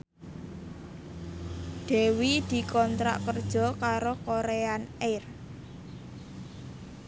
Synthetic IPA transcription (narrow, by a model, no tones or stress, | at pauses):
d̪̥ɛ̤wid̪̥i̤kɔnt̪ɾa̰ʔkərd̥ʒ̥ɔ̤kaɾokoɾeanɛr